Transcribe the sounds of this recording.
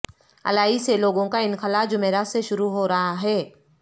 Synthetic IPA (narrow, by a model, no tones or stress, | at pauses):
ɐ̰laːiseloːɡõkaɪnxɐlaːd͡ʒʊmeːɾaːseʃʊɾuɦoːɾɐɦaɦɛː